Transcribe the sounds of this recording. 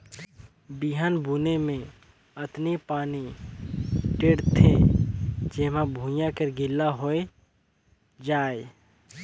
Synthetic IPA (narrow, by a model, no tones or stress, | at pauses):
biɦaːnbʱuːnemẽ | ət̪nipaːni | ʈeːɽt̪ʰe | d͡ʒemãbʱũjãkəɾɡʱɪlːaɦoe | d͡ʒaːe